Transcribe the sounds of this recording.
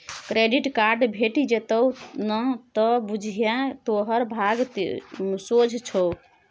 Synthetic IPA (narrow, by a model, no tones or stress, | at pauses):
kɾeɖiʈkaɾɖbʱeʈid͡ʒet̪əwnət̪ɔbud͡ʒʱjãt̪oɦəɾbʱaɡ̪ | sod͡ʒʱt͡ʃʰɔw